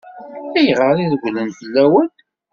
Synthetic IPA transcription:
æjʁəɾiðəɡʷlənθəlːæwən

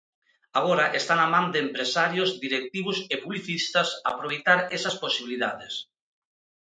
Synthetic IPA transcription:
aɣɔɾaʔest̪anamãnd̪eːmpɾesaɾjozd̪iɾek̚t̪iβusepuβliθist̪ɐsa̰ːpɾoβejt̪aɾesɐsposiβiliðaðes

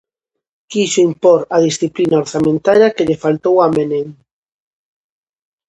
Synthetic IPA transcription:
kiʃoimpoɾað̞isθiplinaoɾθamẽnt̪aɾjaɐkeʎɪfalt̪owameneŋ

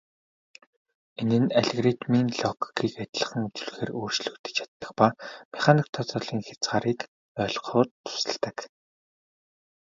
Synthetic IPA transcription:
enɘ̆næɮɣrit̪minɮɔkkiːkat̪ʲɮə̆χə̆ŋut͡sɵ̆ɮxeːroːrt͡ɕɮɵ̆kt̪ɘ̥̆t͡ɕʰḁt̪ːə̆χpameχanik̚t̪ʰɔt͡sɔːɮiːŋxet͡sʁaːɾiːk | œːɮqʊːt̪ʰːʊ̥sə̆ɮt̪ə̆k

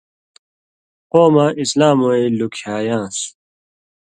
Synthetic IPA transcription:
qoːmaʔislaːmoelukʰjaːjãːs

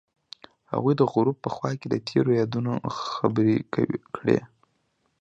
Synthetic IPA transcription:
ha̰ɣujd̪əɣʊɾub̚pːəxwɑked̪ət̪ʰeɾojɑd̪unoxabəɾekawkɽḛ

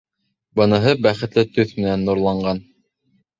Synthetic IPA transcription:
bɤ̆nɤ̆ɦɤbæχɘ̆t̪lɘt̪ɵθmɘ̆nænːuɾlˠɑɴɢɑn

